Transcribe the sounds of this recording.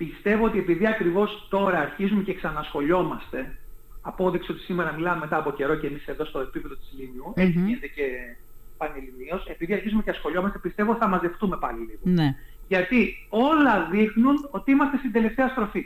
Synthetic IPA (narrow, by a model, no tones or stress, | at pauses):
pist̪e̞voot̪ie̞piðiɐkɾivo̞st̪o̞ɾɐːɾçizume̞ceksɐnɐsxo̞ʎo̞mɐst̪e̞ɐpo̞ðikso̞t̪isime̞ɾɐmilɐmeme̞t̪ɐːpo̞ce̞ɾo̞ce̞mise̞ðo̞st̪oe̞pipe̞ðot̪izliniuetiizðece̞ | pɐnilinio̞se̞piðiɐɾçizumeceɐsxo̞ʎo̞mɐst̪epist̪e̞vot̪i̥θɐmɐzðe̞ft̪ume̞pɐliliɣonʝɐt̪io̞lɐðixnuno̞t̪iimɐst̪est̪ind̪e̞le̞ft̪e̞ɐst̪ɾo̞fi